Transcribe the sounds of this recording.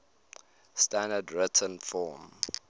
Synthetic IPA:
stãndədɹɪtʰə̃nfɔm

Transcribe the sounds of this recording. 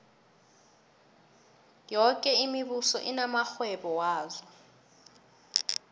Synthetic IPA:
jɔkʼɛimiɓusɔ̰ʔinamaxwɛɓɔwaːzɔ

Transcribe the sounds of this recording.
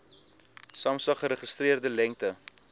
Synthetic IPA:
sɑmsɐχəɾəχəstriərdəlɛŋktə

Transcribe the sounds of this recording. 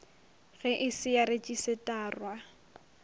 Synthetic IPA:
ɣɛʔɪsɪjaɾet͡ʃʼisɪtʼaːrwa

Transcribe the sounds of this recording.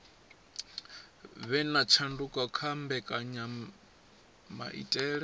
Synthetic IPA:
βɛnat͡ʃʰandukʼakʰambɛkʼaɲa | ma̰ʔḭtʼɛːɺɛ

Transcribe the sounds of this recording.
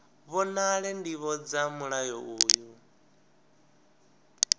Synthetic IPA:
βɔnaɺɛndiβɔd͡zamuɺajɔʔuːju

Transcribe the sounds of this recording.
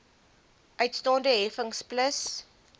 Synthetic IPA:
ʔœɥtstɑːndəɦɛfəŋspləs

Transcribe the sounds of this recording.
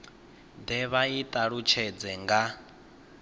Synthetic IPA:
d̪ɛβait̪ʼaɺut͡ʃʰɛd͡zɛŋɡa

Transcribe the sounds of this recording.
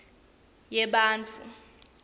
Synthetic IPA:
jɛɓaːnt͡fʰʼu

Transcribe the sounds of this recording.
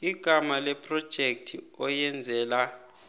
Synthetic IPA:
iɡ̥ʱamalɛpʰʼrɔd̥ʒ̥ʱek̚tʰi | ɔjɛnd͡zʱɛːla

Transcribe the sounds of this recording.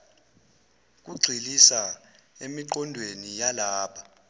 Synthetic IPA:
k̬ʼuɡ͡ǀʱilisa | emiǃɔndʱwenijalaːpʰa

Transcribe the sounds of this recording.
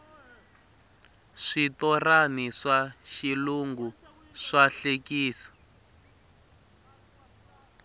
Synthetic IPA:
ʂitɔraniʂaʃiluŋɡu | ʂaɬekiːsḁ

